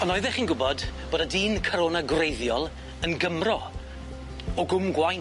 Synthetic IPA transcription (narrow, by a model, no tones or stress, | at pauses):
ɔnɔɨðɛχiːnɡʊbɔdb̥oːdadiːnkʰɔɾoːnaɡrejðjɔlˠ | ənɡəmrɔ | ɔɡʊmɡwajn